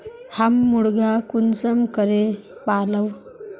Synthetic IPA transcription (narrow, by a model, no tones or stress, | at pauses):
hamːuɽɡakunt͡səmkəɾepaləw